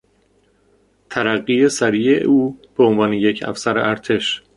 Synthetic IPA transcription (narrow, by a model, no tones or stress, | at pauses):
t̪ʰæɾæɢːiːesæɾijeʔuːb̥eonvɒːneje̞cʰæ̰fsæɾḛʔæɾt̪ʰe̞ʃ